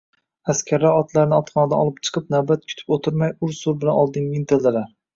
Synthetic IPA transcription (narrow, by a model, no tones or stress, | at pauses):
askʲʰaɾaɒt̪laɾɪnɪɒt̪χɒnad̪aɒlˠɪp̚t͡ʃʰɨ̥qʰɨpnawbat̪̚kʲʰʊ̥t̪ʰɪ̥pot̪ʰʊɾmajʊɾsʊɾbɪlanɒlˠd̪ɪŋmint̪ʰeld̪ɪɾa